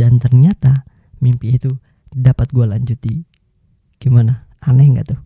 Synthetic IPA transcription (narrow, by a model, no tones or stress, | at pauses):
dant̪ərɲat̪a | mimpiːt̪u | dapat̪̚ɡualaɲd͡ʒut̪i | ɡ̥imana | anɛŋɡa̰ʔt̪u